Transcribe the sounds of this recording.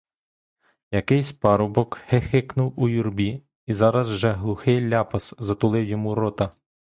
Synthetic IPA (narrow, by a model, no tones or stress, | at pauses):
jɐkɪjsʲpɑɾɔbɔkhexɪknʊwujurbʲi | izɑɾɐzwʒɛɦlˠʊxɪjlʲɑpɐszɐt̪ʊlˠɪwjɔmuɾɔt̪ɐ